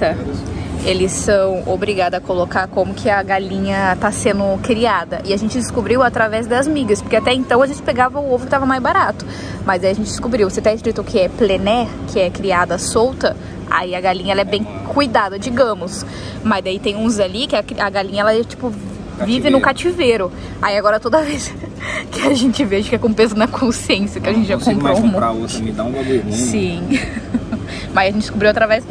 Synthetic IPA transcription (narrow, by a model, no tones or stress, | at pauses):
tɐ | elɪsːɐ̃w̃o̰bɾiɡad̪ɐzɐkolokaɾkõmʊkʰɪɐɡalĩɲɐt̪asẽnd̪ʊkɾiad̪ɐʔɪaʒẽnt͡ʃɪd̪ɪskobɾiwat̪ɾavɛzd̪ɐzmiɡɐspoɾkeat̪ɛẽnt̪ɐ̃w̃ɐʒẽnt͡ʃɪ̥peɡavɐʊovɾʊkɪt̪avɐmajzbaɾat̪ʊ̥ | mɐzd̪aiɐʒẽnt͡ʃɪd̪ɪ̥skubɾiwvoset̪ãɪskɾit̪ʊkʰɪɛplenɛ | kʰɪɛkɾiad̪ɐsowt̪ɐ | a̰iɐɡaliɲɐɛlɐɛbẽj̃ | kujd̪ad̪ɐd͡ʒiɡɐ̃mʊs | mɐzd̪ait̪ẽj̃ũzalikɪakɐɡalĩɲɐɛlɐɛt͡ʃi̥pʊ | vivɪnʊ̃kat͡ʃiveɾʊ | a̰iaɡɔɾɐt̪od̪ɐveskɪaʒẽnt͡ʃɪveɐʒẽkɛkõpezɐnɐkʰõsiẽsjɐkɪɐʒẽnt͡ʃɪʒakõpɾm̃ɾaosd̪ãɡalẽsĩ | mɐziɐʒẽt͡ʃɪdɪ̥skobɾiwat̪ɾavɛs